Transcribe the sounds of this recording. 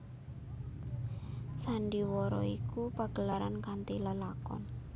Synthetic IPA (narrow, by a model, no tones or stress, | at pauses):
saɳɖiwɔɾɔ̰ikupaɡ̥ə̤laɾankant̪iləlakɔ̰n